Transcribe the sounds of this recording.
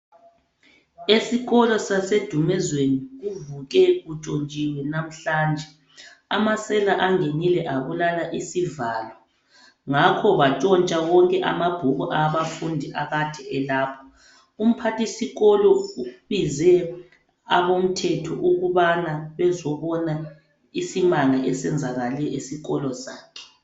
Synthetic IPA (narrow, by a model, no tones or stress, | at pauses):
esiɣɔlɔsased̥ʱumɛzweniɣuvuɣɛɣut͡ʃʼont͡ʃʼiwɛnam̩ɬaːnd͡ʒʱɛ | amasɛlaʔaŋenilɛʔaβulalaʔisivaːlwɔ | ŋakʰɔβat͡ʃʼɔnt͡ʃʼawɔŋkʼɛʔamab̥ʱuɣuʔaβafundʱiʔaɣad̥ʱɛɛlaːpʰɔ̥ | um̩pʰatʰʼisiɣɔlɔuβizɛ | aβom̩tʰɛtʰɔ̰ʔuɣuβanaβɛzɔβɔna | isimaŋaʔɛsɛnd͡zʱaɣalɛʔisiɣɔlɔsaːkʰɛ̥